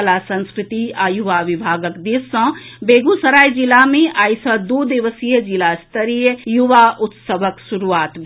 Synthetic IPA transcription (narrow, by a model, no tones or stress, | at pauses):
lasə̃nskɾɪt̪iajuʋaʋibʱaːɡəkd̪isːə̃beːɡusəɾaːjd͡ʒilamẽaːisɔd̪od̪iʋəsijəd͡ʒilast̪ʰəɾijəjuʋaʔʊt̪səʋəkʃuɾuaːt̪b